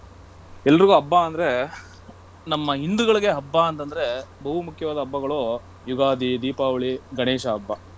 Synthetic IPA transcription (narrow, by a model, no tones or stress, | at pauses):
ɛlːɐɾiɡuːɐbːaɐnd̪ɐɾe̞ | nɐmːɐɦind̪uɣɐɭiɡe̞ɦɐbːaːnt̪ɐnd̪ɐɾe̞bɐɦumukʰjɐʋaːd̪ɐɐbːɐɡɐɭoː | juɡaːd̪id̪iːpaːʋɐɭiɡɐɳeːʃɐːbːɐ